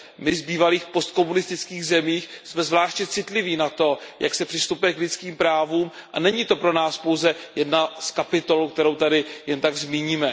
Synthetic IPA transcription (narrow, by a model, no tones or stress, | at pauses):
mɪzbiːvaliːxpo̞st̪̚ko̞munɪst̪ɪt͡skiːɣzɛmiːxsmɛzvlaːʃtɲɛt͡sɪt̪lɪviːnat̪o̞ja̰ksɛpr̥ɪst̪upujɛklɪt͡skiːmpɾaːvuːmʔa̰nɛɲɪt̪o̞pɾo̞naːspo̞wzɛjɛdnaskapɪt̪o̞lk̚t̪ɛɾowt̪adɪjɛnt̪aɡzmiːɲiːmɛ